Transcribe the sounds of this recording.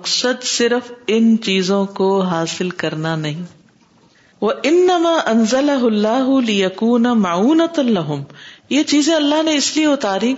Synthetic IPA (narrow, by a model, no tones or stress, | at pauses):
qsəd̪sɪɾfɪnt͡ʃiːzõkoɦaːsɪlkɐɾnanɐɦĩː | ʋɐʔɪnːɐmaːʔɐnzɐlɐɦʊɐlːaːɦʊlɪjɐkuːnamɐʕuːnɐt̪lɐɦʊmjet͡ʃiːzẽɐlːaɦnẽɪslieʊt̪aːɾĩ